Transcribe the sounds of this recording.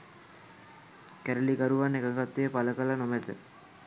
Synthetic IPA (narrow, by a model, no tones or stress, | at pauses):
kæɾəlikaɾuʋanːekəkat̪ːejəpaləkalanomet̪ə̰